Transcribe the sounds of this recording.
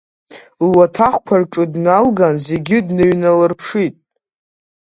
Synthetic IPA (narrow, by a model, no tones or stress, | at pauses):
lwatʰaχʷkʷʰarʈ͡ʂʼɨdnalɡanze̞ɡʲɪdnɨɥnalɨrpʰʂitʼ